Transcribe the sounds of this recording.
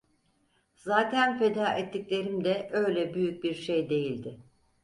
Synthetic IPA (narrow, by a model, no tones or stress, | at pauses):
z̥aːt̪ʰænfed̪aːʔɛt̪ʰːiclʲe̞ɾimd̪ɛʔø̞jlʲɛbyjyc̚biɾʃejd̪e̞jilʲd̪ɪ